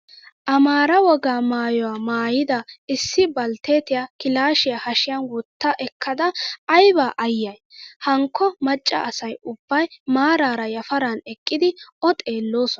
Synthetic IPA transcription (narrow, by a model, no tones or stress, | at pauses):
ʔɐmaːɾɐwɔɡaːmaːjɔwaːmaːjɪd̪ɐɪsːɪbɐlt̪eːt̪ɪjakɪlaːʃɪjɐhɐʃɪjɐnwɔt̪ːɐʔɛkːɐd̪ɐːjbaːʔɐjːɐjhɐŋkːɔmɐt͡ʃʼːɐ̰ʔɐsɐjʊbːɐjmaːɾaːɾɐjɐfɐɾanɛkʼːɪd̪ɪɔt̪ʼe̞ːlːo̞ːsɔn